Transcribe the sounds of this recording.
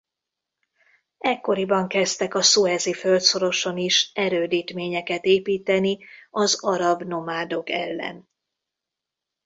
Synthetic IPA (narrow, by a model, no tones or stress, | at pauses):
ɛkːo̞ɾibɒŋkɛst̪ɛkɒsuɛzifølt̪so̞ɾo̞ʃo̞niʃɛɾøːd̪iːt̪meːɲɛkɛt̪eːpiːt̪ɛniɒzɒɾɒbno̞maːd̪o̞kɛlːɛ̰n